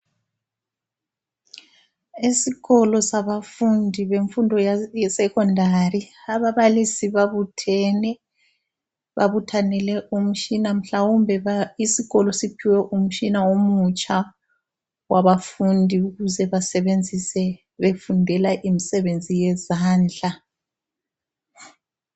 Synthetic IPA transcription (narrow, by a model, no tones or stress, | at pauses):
isiɣɔlɔsaβafundʱiβeɱfundʱɔjɛsɛkʰɔndʱariaβaβalisiβaβutʰɛnɛ | βaβutʰanɛlɛʔum̩ʃinam̩ɬawumbʱɛisiɣɔlɔsipʰiwɛʔum̩ʃinawomut͡ʃʼa | waβafundʱiuɣuzɛβasɛβend͡zʱisɛ | βefundʱɛlaʔimisɛβend͡zʱijɛzaːnd͡ɮa